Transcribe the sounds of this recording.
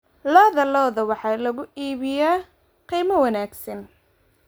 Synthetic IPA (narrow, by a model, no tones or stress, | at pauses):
lɐðɐlɔːðɐwɑħɑːlɐɣʊiːβɪjaː | qiːmɐwɐnaːɡsɐn